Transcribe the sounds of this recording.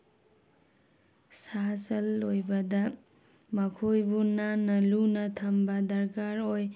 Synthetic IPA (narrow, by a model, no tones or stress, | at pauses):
sasɐlojbɐda | makʰojbunanɐlunɐtʰambadɐɾkaɾoj